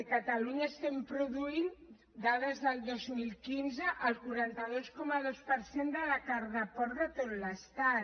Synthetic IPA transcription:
əkat̪aluɲaest̪ɛmpɾuðuin | d̪aðəzðəlˠd̪ozmilˠkinzəʔːlˠkuɾant̪əðoskɔməðospəɾsend̪əlakaɾðapɔɾðat̪ot̪last̪a

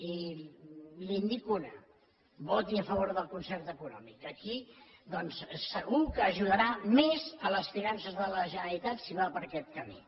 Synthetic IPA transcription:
i | lind̪ikunə̰ | βɔt̪iəfəβ̞oɾðəlˠkunsɛrt̪əkunɔ̰mikəkid̪ɔnssəɣukəːʒuðəɾamezələsfiɾansəzðələʒənəɾɾit̪at̪siβapəɾkɛt̪̚kəmḭ

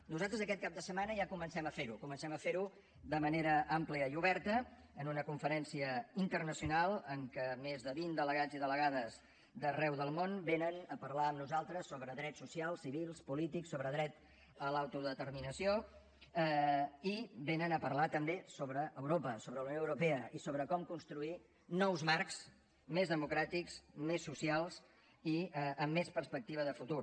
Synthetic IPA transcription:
nuzalˠt̪ɾəzəkɛt̪̚kap̚d̪əsəmanəʒakumənsɛməfeɾukumənsɛməfeɾu | d̪əməneɾəʔampliəiuβɛɾt̪əː | nunəkuɱfəɾɛnsiəint̪ərnəsiunalˠəŋkəmezðəβind̪ələɣad͡ziðələɣaðəz | d̪ərɛwðəlˠmonbenənəpəɾlaəmnuzalˠt̪ɾəsːoβɾəðɾɛsusialˠsiβilˠspulit̪iksoβɾəðɾɛt̪ | əlawt̪uðət̪əɾminəsio | ibenənəpəɾlat̪əmbesoβɾəʔəwɾopəsoβɾəlunjoəwɾupeəʔisoβɾəkɔmkunst̪ɾui | nɔwzmaɾkz | mezðəmukɾat̪iksmesːusialˠs | iəəmːespəɾspək̚t̪iβ̞əðəfut̪uɾ

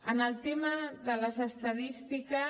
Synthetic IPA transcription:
ənəlˠt̪emaðələzəst̪aðist̪ikə

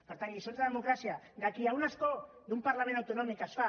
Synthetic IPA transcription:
poɾt̪aŋɡisont͡s̪aðemo̞kɾasia | d̪akiawnasko̞ | ðumpaɾlame̞nawt̪o̞no̞mikasfa

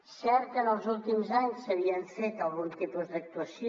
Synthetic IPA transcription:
sɛɾt̪̚kənəlˠzulˠt̪imzaɲsəβ̞iəɱfet̪əlˠɣunt̪ipuzd̪ək̚t̪uəsi

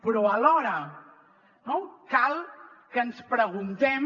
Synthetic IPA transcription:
pɾɔəlɔɾə | nowkalˠ | kənspɾəɣunt̪ɛm

